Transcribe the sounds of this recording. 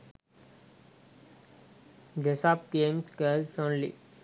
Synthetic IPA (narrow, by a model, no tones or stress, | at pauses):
ɖesaːpkẽːmskəːlʈõːnlḭ